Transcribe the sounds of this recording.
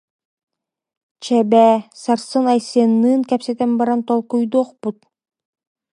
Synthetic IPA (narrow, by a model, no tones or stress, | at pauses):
t͡ɕɛbɛːsaɾsɯnajsianːɯːŋkɛpsɛt̪ɛnbaɾant̪ɔlˠkujd̪uɔχput̪̚